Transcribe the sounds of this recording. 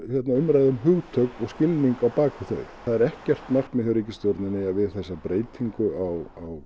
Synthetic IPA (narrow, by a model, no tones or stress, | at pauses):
jɛt̪naʏmɾajðʏmɦʏːɣt̪ʰœkkɔɣscɪlniŋkawpaːkʏθœ̰ɥ | θaðɛɾɛhcɛr̥t̪mar̥kmɪθʏɾiːcɪst̪jowɾt̪nɪnːɪaðvɪð̥θɛsːapɾeːjt̪ʰiŋkʏawaw